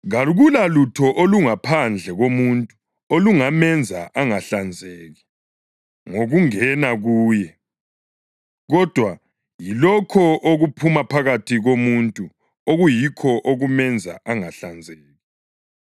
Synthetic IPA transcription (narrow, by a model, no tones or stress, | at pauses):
ɣaɣulalutʰɔʔoluŋapʰand͡ɮʱɛɣomuntʼu̥ | oluŋamɛnd͡zʱa̰ʔaŋaɬand͡zʱeːɣi | ŋoɣuŋɛnaɣuːjɛ | ɣɔd̥ʱwa | jilɔkʰɔʔoɣupʰumapʰaɣatʰiɣomuntʼu | oɣujikʰɔʔoɣumɛnd͡zʱa̰ʔaŋaɬand͡zʱeːɣi